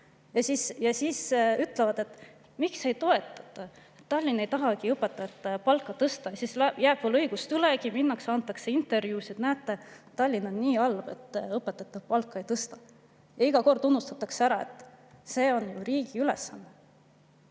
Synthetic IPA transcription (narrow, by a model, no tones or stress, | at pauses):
jɑsisjɑsisyt̪ˑlevɑd̪e̞t̪ːˑ | mikse̞jt̪o̞e̞t̪ːˑɑ̥t̪ˑːɑ | et̪ːɑlʲːine̞jt̪ɑɦɑɡiɤpːˑet̪ːˑɑet̪ːpɑlkːˑɑt̪ɤst̪ɑjɑsislæjæːb̥volɤjɡ̥ust̪ylekiminːɑksɑnt̪ːˑɑkse̞int̪ːˑe̞rvjuːsid̪næːt̪ːˑet̪ɑlʲːinonːiːɑlb̥e̞̰t̪ːɤpːˑet̪ːˑɑt̪ːˑɑpɑlkˑːɑejt̪ɤst̪ɑ | jɑiɡ̥ɑko̞rd̪unːust̪ɑt̪ːˑɑkseæɾɑet̪ːˑse̞ːo̞njuriːɡ̥iylɛ̰sːɑnːe